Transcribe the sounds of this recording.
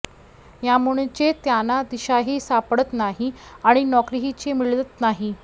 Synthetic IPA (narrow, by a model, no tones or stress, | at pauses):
jamuɽ̃et͡ɕet̪janad̪iɕaɦiːsapɽət̪naɦiaɽ̃inɔkɾiɦit͡ɕemiɭlət̪naɦi